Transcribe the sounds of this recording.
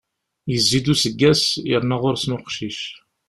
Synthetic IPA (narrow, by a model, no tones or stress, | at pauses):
jəzːid̪usəɡːæsjəɾnæʁʊɾsmʊɾqʃiʃ